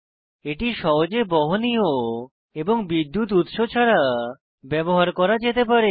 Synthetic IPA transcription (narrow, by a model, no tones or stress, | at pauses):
eʈiʃɔɦod͡ʑebɔɦonio | eboŋbid̪ːut̪̬ut̪ʃot͡ɕʰaɾa | bɛboɦaɾkɔɾad͡ʑet̪ep̬aɾe